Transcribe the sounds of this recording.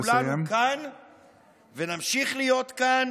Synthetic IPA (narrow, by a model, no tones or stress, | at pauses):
lanukan | venamʃiχlijo̞t̪kan